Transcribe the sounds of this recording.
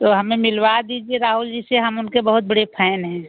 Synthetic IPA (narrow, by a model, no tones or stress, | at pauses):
t̪oɦɐmẽmɪlwad̪id͡ʒieɾaːɦʊld͡ʒiseɦəmʊnkebəɦʊt̪̚bəɽepʰɛːnɦɛ̃ː